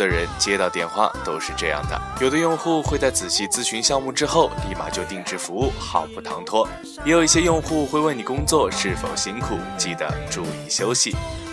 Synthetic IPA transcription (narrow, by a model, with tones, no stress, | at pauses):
ə˨ɻə˧˥nt͡ɕjɛ˥t̪ɑ˥˧ʊt̪jɛ˥˩nxwa̰˥˩t̪o˥ʊʂɻ̩˥˧ʈ͡ʂɤ˥˧jɑ̰˥˩ŋd̪ə̰˩jo˨˩ʊd̪ə˦jʊ˥˧ŋxu˥˧xwe˥˧ɪt͡sa˥˩ɪt͡sɹ̩˨˩ɕi˥˩t͡sɹ̩˥ɕy˧˥nɕjɑ˥˧ŋmu˥˩ʈ͡ʂɻ̩˥xo˥˩ʊli˥˩ma̰˨˩t͡ɕjo˥˧ʊt̪i˥˩ŋʈ͡ʂɻ̩˧˥fu˧˥u˥˩xɑ˨˩ʊpu˥˩t̪ʰɑ˧˥ŋt̪ʰwɔ˥ | jɛ˧˥jo˨˩ʊi˥˩ɕ̬jɛ˥jʊ˥˧ŋxu˥˧xwe˥˧we˥˩ɪni˨˩kʊ˥ŋt͡swɔ˥˧ʂɻ̩˥˩fo˨˩ʊɕi˥nkʰu˨˩t͡ɕi˥˩d̪ə̰˩ʈ͡ʂu˥˧i˥˩ɕjo˥ʊɕḭ˨˩